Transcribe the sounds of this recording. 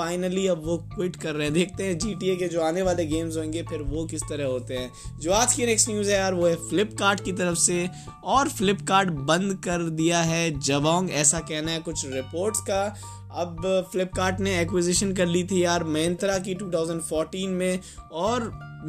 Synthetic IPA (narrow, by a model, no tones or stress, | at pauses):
aːɪnəliɐbʋokwɪʈkɐɾːɛɦɛ̃d̪eːk̚ʰt̪eɦɛ̃d͡ʒiːʈieked͡ʒoːaːneʋaːleɡeːmzɦõːŋɡepʰɪɾʋokɪst̪ɐɾəɦɦoːt̪eɦɛ̃ːd͡ʒoːaːt̪kinɛksʈnjuːzɦɛjaːɾʋoɦɛfɪlɪpkaːɾʈkit̪̬ɐɾəfse | ɔːɾfɪlɪpkaːɾʈbɐ̃nd̪kɐɾd̪ijaɦɛd͡ʒɐʋãːŋɡɛːsakɛɦnaɦɛkʊt͡ʃʰɾɪpoːɾʈska | ɐbfɪlɪp̚kaːɾʈneɛːkwɪzɪʃənk̬ɐɾlit̪ʰijaːɾmɐə̃nt̪ɾak̬iʈuːt̪ʰaːʊzə̃ɳɖfɔːɾʈiːnmẽɔːɾ